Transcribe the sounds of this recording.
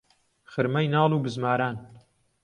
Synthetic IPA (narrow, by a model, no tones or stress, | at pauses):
xɨɾmɐjnɑːlˠuːbɨzmaːɾaːn